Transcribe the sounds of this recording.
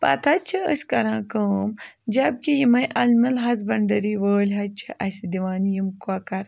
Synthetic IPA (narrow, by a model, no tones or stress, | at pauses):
pɐ̰t̪ʰɐt͡ʃʰiəsʲkɐɾãːkoːmd͡ʒɐb̚kijimɐjʔɐlmɐlɦɐzbɐɳɖɐɾiʋəːlʲɦɐt͡ʃʰiʔɐsid̪iʋaːnjimkuakɐɾ